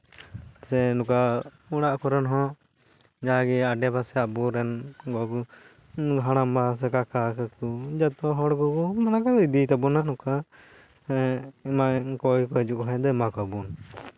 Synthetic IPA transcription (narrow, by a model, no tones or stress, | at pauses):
sɛnuka | uɽ̃aʔkɔɾɛnɦɔ̃ | d͡ʒaɡɛaɖɛbasɛabuɾɛnɡɔku | ɦaɽ̃ambas̬ɛkakakakud͡ʒat̪ɔɦɔɽɡɔkumanakaid̪it̪abunaʔnuka | imaʔkɔjkɔɛd͡ʒuʔɦɛ̃d̪ɔɛmakabun